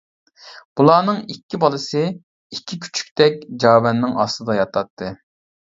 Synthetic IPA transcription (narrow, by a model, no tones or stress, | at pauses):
b̥ulˠɑːnɨŋikʲʰːibɑlˠɨsɨ | ikʲʰːikʲʰy̥t͡ʃʰy̥k̚ʲt̪ɛk̚ʲd͡ʒɑːwɛnːɪŋɑst̪ɨd̪ɑjɑt̪ʰɑt̪ʰːɨ